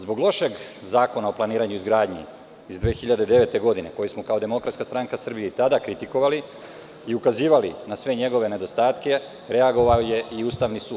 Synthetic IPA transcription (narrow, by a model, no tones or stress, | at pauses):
zboɡlo̞ʃe̞ɡzaːko̞naoplˠaniːɾaɲuizɡɾaːd̪ɲḭ | izd̪ʋeːxiʎad̪ed̪e̞ʋe̞t̪e̞ɡo̞d̪ine̞ko̞jismokao̞d̪e̞mo̞kɾat̪kast̪ɾaŋkasr̩bijit̪ad̪akɾit̪iko̞ʋali | iukaziːʋalinasʋe̞ɲe̞ɡo̞ʋe̞ne̞d̪o̞st̪aːt̪ke̞ | ɾe̞aɡo̞ʋaoje̞iuːst̪aʋnisuːd̪